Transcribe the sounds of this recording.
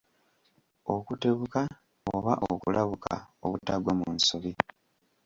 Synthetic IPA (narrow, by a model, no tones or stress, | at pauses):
o̞kute̞βuka | oβaʔokulʔaβuka̰o̰βutaɡwamunsoβi